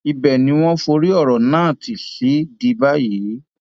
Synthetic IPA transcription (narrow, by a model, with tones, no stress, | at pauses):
i˧bɛ˨nĩ˨˦w̃ɔ̃˦fo˧ɾi˦ɔ˦˨ɾɔ˨nãː˦˨ti˨ɬi˨˦di˧ba˦ji˨˦